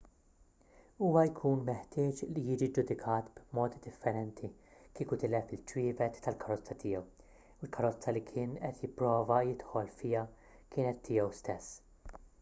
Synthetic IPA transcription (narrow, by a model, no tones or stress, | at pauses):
uːwɐjkʰuːnmɛħt̪ɪːt͡ʃlijɪːd͡ʒid͡ʒʊd̪ɪkʰɐːt̪bmɔːt̪id̪ɪfːɛɾɛnt̪ʰikiːkʊt̪ɪːlɛfɪlt͡ʃɾiːvɛt̪ːɐlkʰɐɾɔt͡sːɐt̪ɪjɛw | ɪlkʰɐɾɔt͡sːɐlikʰɪːnɛt̪jɪpːɾɔːvɐjɪt̪ħɔlfɪjɐ | kɪːnɛt̪ʰːɪːjɛwst̪ɛsː